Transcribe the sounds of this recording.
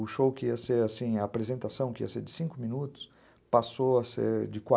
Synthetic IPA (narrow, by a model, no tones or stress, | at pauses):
ʊʃowkɪiɐseɾasĩɐːpɾezẽnt̪asɐ̃w̃kɪḭɐseɾd͡ʒɪ̥sĩŋkʊmĩnut̪ʊ̥s | pasoɐsḛɾd͡ʒɪkwa